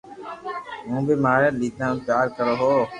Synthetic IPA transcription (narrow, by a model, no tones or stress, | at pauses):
ɦũːbʱiːmaːɾeːliːt̪ãːpjaːɾkəɾoːɦoː